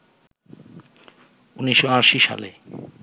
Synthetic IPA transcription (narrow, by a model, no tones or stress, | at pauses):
uniʃːoaɾʃiʃa̰lḛ